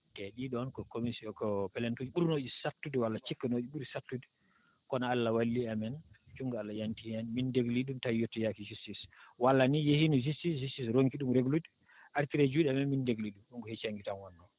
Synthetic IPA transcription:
tɛɗiɗɔnkɔkomisiɔkɔpɛlɛntod͡ʒiɓuɾnod͡ʒisatːudɛwalːat͡ʃikːanod͡ʒiɓuɾisatːudɛ | kɔnaalːawalːiamɛnt͡ʃuŋɡalːajantihɛnmindeɡliɗumtajotːɔjakid͡ʒustiswalːanijehinid͡ʒustisd͡ʒustisɾoŋkiɗumɾeɡludi | ʔaɾtiɾed͡ʒuɗɛamɛnmindeɡliɗumɗumɡɔhɛt͡ʃaŋɡitanwɔnːɔ

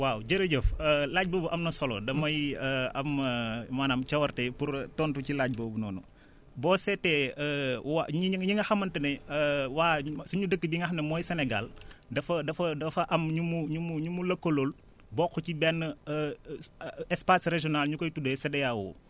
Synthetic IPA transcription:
waːwɟɐɾɐɟəfəlaːɟ̚boːbuʔɐmnɐsɔlɔ̰dɐmɐjɐmmaːnamt͡ʃɐwɐrtɛpuɾtɔːntucilaːɟ̚boːbunɔ̰ːnṵ | bɔːsɛtːɛ | wa̰ɲɲiŋɡɐxɐmːɐntɐnɛəwaːsuɲudəkːəbiŋɡɐxɐmnɛmɔːjsɛnɛɡa̰ldɐfɐdɐfɐdɐfɐʔɐmɲumuɲumuɲumulɐkːolol | bɔːxɔcibɛnːə | ɛspasreʒɔnalɲukɔjtudesɛdɐjawo̰

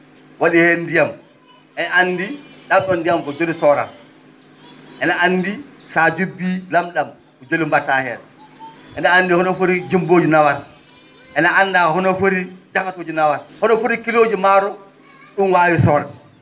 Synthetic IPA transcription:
waɗihɛndijam | ʔɛnaanːdiɗamɗɔndijamkɔd͡ʒolisɔɾa̰ | ʔɛnaanːdisad͡ʒubilamɗam | kɔd͡ʒolimbatahɛ̰ɾ | ʔɛnaandihɔnɔfoɾid͡ʒimboːd͡ʒinawaɾ | ʔɛnaanːdahɔnɔfoɾid͡ʒakatoːd͡ʒinawaɾhɔnɔfoɾikiloːd͡ʒimaɾɔ | ɗunwaːwisɔɾa

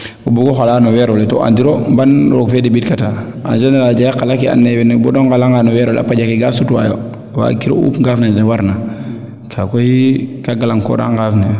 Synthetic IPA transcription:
ubuɡoxalaːnowɛɾoleto̰ʔa̰ndiɾombanɾoɡfedebitkata | a̰nd͡ʒɛnɾad͡ʒajakalakia̰nːebenebɔdoŋɡalaŋɡanowɛɾol̰a̰paɟakiɡasutuwa̰jo̰ | wa̰kiɾo̰ṵːpɡafnedewaɾna | kʰakojikaɡalaŋko̰da̰ŋɡafne

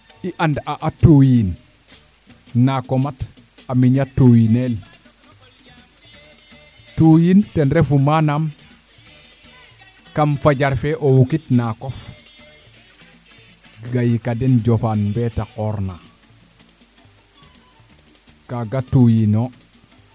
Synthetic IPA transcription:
iʔandaʔatujin | akomat | amiɲatːujinel | tujintenɾefumanam | kamfaɟaɾfeʔowukitnakof | ɡajikadenɟofanmbetakoɾna | kaɡatujino

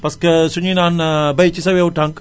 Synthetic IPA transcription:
pɐsksuɲinaːnbɐjt͡ʃisɐʋeuʈʰɐŋk

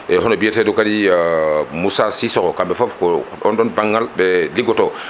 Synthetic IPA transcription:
ʔɛɦɔnɔbijɛtɛdokadi | musasisɔkɔkambɛfofkɔɔndɔnbaŋːalbɛliɡɔtɔ

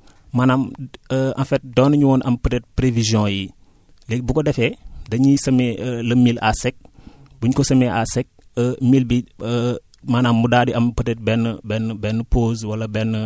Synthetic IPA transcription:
manaməɐ̰̃fɛt̚dɔːnɐɲuwɔːnʔɐmpətɛt̚pɾevizjɔ̃ji | lɛk̚bukɔdɛfɛdɐɲisɐmɛlɐmila̰sɛk̚buɲkɔsɐmɛʔasɛk̚əmilbiə | manaːmːudadiʔɐmpətɛt̚bɛnːbɛnbɛnːəposwɐlɐbɛnːə

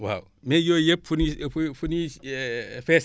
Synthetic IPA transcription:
wa̰w | mejojep̚funiffuni | fes

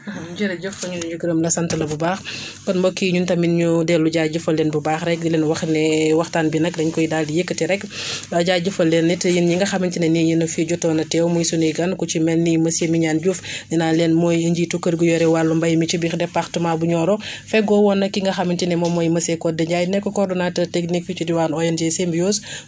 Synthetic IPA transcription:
ɟiɾɐɟəfɐɲuniɲuɡiɾəmlɐsɐntɐlɐbubaːx | kɔnmbɔkːiɲuntɐminɲudɛlːuɟad͡ʒufɐlːɛnbubaːxɾɛk̚dilɛnwɐxnɛwɐxtaːnbinɐkdɐɲkɔjidaːldijekːətiɾɛkbɐɟaːɟufɐlːɛnːitjinɲiŋɡɐxɐmint͡ʃinɛnijinɐfiɟɔtːɔnɐtɛwmɔjsunijɡɐnkut͡ʃimɛlnimɐsemiɲaːnɟufninalɛnmɔjiɲɟitukːəɾɡujɔɾɛwalːumbɐjmit͡ʃibixdɛpːaxtumabuɲɔːɾɔfɛɡɔwɔnːɐkːiŋɡɐxɐmintinɛmɔmɔjmɐsɛkɔdɛɲɟajnɛkːɔkɔrdɔnaːtɐteknikit͡ʃudiwaːnɔjɐnd͡ʒɛsembijoːs

